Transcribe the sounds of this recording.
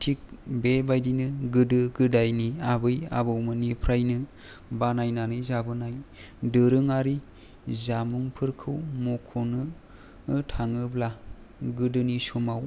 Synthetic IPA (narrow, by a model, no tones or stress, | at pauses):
tʰik̚bebajdinɯɡɯdɯɡɯdajniabɯja̰bɯwmɯnipʰɾajnɯ | banajnanɯjzabɯnaj | dɯɾɯŋaɾi | zamuŋpʰɯɾkʰɯwmokʰonɯ | tʰaŋɯbla | ɡɯdɯnisomaw